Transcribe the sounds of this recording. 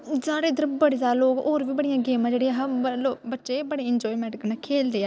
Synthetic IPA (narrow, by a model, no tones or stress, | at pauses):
d͡ʒaːɾeːd̪əɾbəɽeːzaːloːɡoːɾʋiːbəɽɪjãːɡeːmãːd͡ʒeːɽeːãɦloːbətːʃeːbəɽeːɪnd͡ʒɔːimɛːɖɪkənakʰeːld̪eːaː